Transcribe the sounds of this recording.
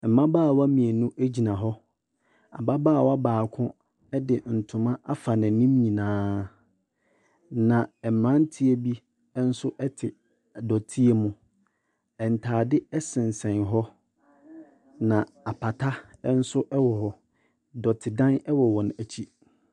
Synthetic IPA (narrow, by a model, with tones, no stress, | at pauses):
m̩˨mã˦baː˦˨wa˦mĩ˨e˨nũ˦ʔæ˦d͡ʑi˨nã˨ɦɔ˦ | a̰˨ba˦baː˦˨wa˦baː˨kʰʊ̃˦ | ɛ˦dɪ˨n̩˨tʰʊ̃˨mã˦ʔa˦fa˨nɪ̃˨nĩ˦m˦ɲĩ˨nãː˦ | nã˨ɛ˨m˨ɾã˦n̩˦tʰi˦e˦bi˦ | ɛ˦n̩˦sʊ˦ʔɛ˦tʰɪ˨ | dɔ˨tʰi˦e˨mʊ̃˦ | ɛ˨n̩˨tʰaː˨dɪ˦ɛ˦sɪ̃˨n˨sɛ̃˨nɦɔ˦ | nã˨ | a˨pʰa˨tʰa˦ɛ˦n̩˦sʊ˦ʔɛ˦wɔ˨hɔ˦ | dɔ˨tʰɪ˨dã˦nɛ˦wɔ˨wɔ˨n˨æ˨t͡ɕʰi˦